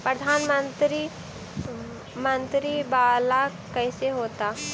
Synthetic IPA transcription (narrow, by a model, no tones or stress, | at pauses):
pɾəd̪ʱaːnmənt̪ɾi | mənt̪ɾibala | kəjseɦoːt̪a